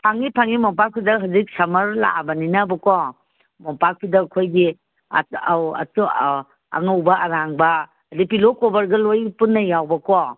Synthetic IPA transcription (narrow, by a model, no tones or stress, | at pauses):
pʰaŋipʰaŋimɔpak̚pʰidɐɦazik̚sɐmɐɾla̰bɐninabɐkɔ | mɔpak̚pʰidɐkʰojɡḭ | wa̰tu | ɐ̰ŋɐwbɐʔɐɾaŋbɐː | dipilokɔbɐɾɡɐlojpunːɐjawbɐkɔ